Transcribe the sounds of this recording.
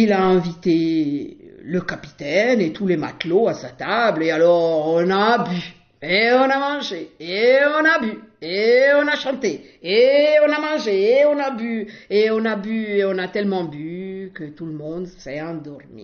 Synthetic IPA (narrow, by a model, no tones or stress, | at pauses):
ilaɛ̃vit̪e | ləkapi̥t̪ɛnet̪ʰulema̰t̪loasat̪ablealɔʁɔ̃naby | eɔ̃namɑ̃ʒeeɔ̃nabyeɔ̃naʃɑ̃t̪e | eɔ̃namɑ̃ʒeːɔ̃nabyeɔ̃nabyeɔ̃nat̪ɛlmɑ̃bykət̪uləmɔ̃d̪sɛɑ̃d̪ɔʁmḭ